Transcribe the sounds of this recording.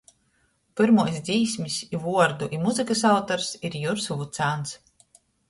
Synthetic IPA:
pɨɾmuɔjs̬ʲd̪ziːsmʲisivuɔɾd̪uʔimuzɨkɐs̬awt̪ɔɾsiɾjuɾsuvut̪saːns

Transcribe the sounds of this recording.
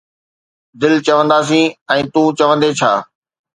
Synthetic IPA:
d̪ɪlt͡ɕɐʋə̃nd̪aːs̬ĩːɛ̃ːt̪ũːt͡ɕɐʋə̃nd̪et͡ɕʰaː

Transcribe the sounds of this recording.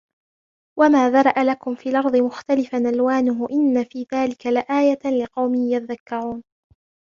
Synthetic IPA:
wamaːðɑɾˤɑʔalakʊmfiːlʔɑɾˤðˤɨmʊxt̪alɪfanʔalwaːnʊɦʊʔɪnːafiːðaːlɪkalɪʔaːjalɪqɑwmɪjat̪ðakːaʕuːn

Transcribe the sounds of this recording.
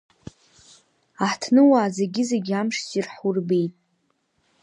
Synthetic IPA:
aħtʰnɨwaːzeɡʲɪzeɡʲamʂzʼirħurbe̞jtʼ

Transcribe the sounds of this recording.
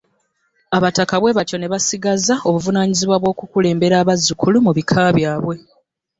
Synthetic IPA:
aβatakaβwe̞βaco̞ne̞βasiɡazao̞βuvunaːɲiziβwaβwo̞ːkukule̞ːmbe̞ɾaːβazːukulumuβikʰaːβjaːβwe̞

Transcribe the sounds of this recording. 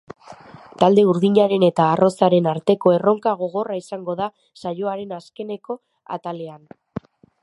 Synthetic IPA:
t̪ald̪e̞uɾðiɲaɾe̞ne̞t̪aːrʔo̞saɾe̞naɾt̪e̞ko̞e̞ro̞ŋkaɣ̞o̞ɣ̞o̞raisaŋɡo̞ða | sajo̞aɾe̞naske̞ne̞ko̞ | a̰t̪ale̞an

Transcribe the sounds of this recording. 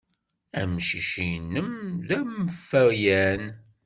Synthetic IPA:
æ̰mʃiʃinːəmðæməfːəɾjæn

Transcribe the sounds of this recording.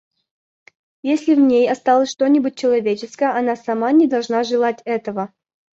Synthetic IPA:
jesʲlʲɪvnʲejɐst̪alˠəsʲʂt̪o̞nʲɪbʊt̚ʲt͡ɕːɪlˠɐvʲet͡ɕɪskəjəɐnasɐmanʲɪd̪ɐlˠʐnaʐɨlˠatʲɛt̪əvə

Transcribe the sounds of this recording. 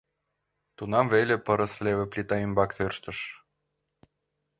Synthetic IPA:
t̪unɑmvelʲĕpəɾə̆slʲeβĕplʲit̪ɑymbɑkt̪ørʃt̪ə̆ʃ

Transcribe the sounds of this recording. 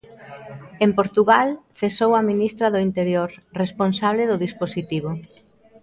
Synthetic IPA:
empoɾt̪uɣalθesowɐminist̪ɾɐðʊint̪eɾjoɾresponsaβleðʊðisposit̪iβo

